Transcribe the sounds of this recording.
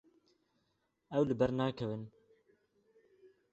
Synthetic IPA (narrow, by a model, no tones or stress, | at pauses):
ɛwlɨbɛɾnɑːkʰɛvɨn